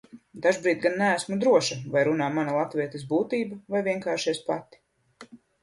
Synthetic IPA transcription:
d̪aʒbɾiːt̪̚ɡanːææsmud̪ɾuɔʃavajɾunaːmanalˠat̪viɛt̪isbuːt̪iːbavajviɛŋkaːʃiɛspat̪i̥

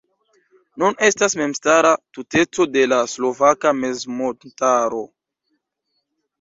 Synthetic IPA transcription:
nunʔe̞stasme̞mstaɾatute̞t͡so̞de̞laslo̞vakame̞zmotaɾo̞

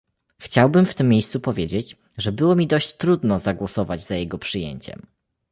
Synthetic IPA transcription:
xt͡ɕawbɘmft̪ɘmʲːjejst̪supɔvʲjed͡ʑed͡ʑ | ʐɛbɘwɔmʲid̪ɔɕt͡ɕt̪ɾud̪nɔzaɡwɔsɔvad͡ʑzajɛɡɔpʂɘjḛɲt͡ɕɛ̰m

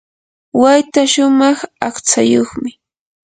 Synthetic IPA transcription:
wajt̪aʃʊmɑχaχt͡sajoχmɪ

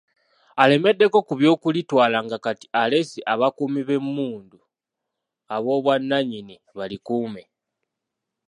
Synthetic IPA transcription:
ale̞me̞dːe̞ko̞kuβjo̞ːkulitwaːlaŋɡakati̥ale̞siʔaβakumiβe̞mːuːndu | aβo̞ːβwanːaɲini | βalikuːme

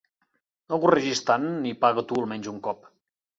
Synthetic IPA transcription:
əɣurəʒist̪anːipaɣət̪uəlˠmɛnzuŋkɔp

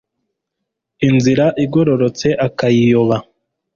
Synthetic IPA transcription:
inziɾaʔiɡo̞ɾo̞ɾo̞t͡se̞ʔakajijo̞βa

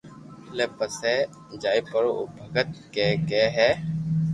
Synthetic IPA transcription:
leːpəsɛː | d͡ʒaːiːpəɾoo̰bʱəɡət̪̚kɛːkɛːɦɛː

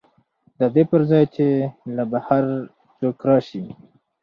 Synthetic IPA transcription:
d̪əd̪epəɾzɑjt͡ʃelabahaɾ | t͡ʃokɾɑʃi

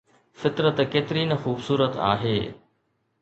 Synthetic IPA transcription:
fɪt̪ɾət̪keːt̪ɪɾiːnɐxuːbsuːɾət̪a̰ːɦeː

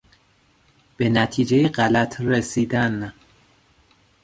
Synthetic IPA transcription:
b̥e̞næt̪ʰiːd͡ʒejeɢælæt̪ʰɾesiːd̪æn

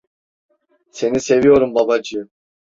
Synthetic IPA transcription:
se̞nise̞vijo̞ɾumbabad͡ʒɯ

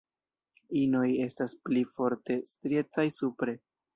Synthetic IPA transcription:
ino̞je̞stasplifo̞ɾte̞stɾe̞t͡sajsupɾe̞

